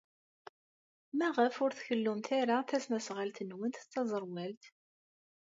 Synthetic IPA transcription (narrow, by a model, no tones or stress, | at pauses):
mæʁəfʊɾθçəlːʊmt̪aɾaθæsmæsʁalt̪ənwənt̪t͡s̪ːɑzˤəɾˤwælt̪